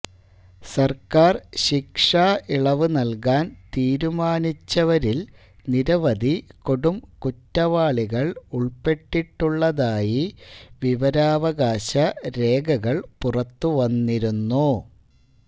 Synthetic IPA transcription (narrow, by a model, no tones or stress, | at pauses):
sɐrkaːrɕikʂaːʔiɭɐʋɨnɐlkaːnt̪iːɾumaːnit͡ɕːɐʋɐɾil | niɾɐʋɐd̪iko̞ɽumkutːɐʋaːɭiɣɐɭuɭpe̞ʈːiʈːuɭːɐðaːjiʋiʋɐɾaːʋɐɣaːɕɐɾe̞ːɡɐɣɐɭpurɐt̪ːuʋɐnːiɾunːu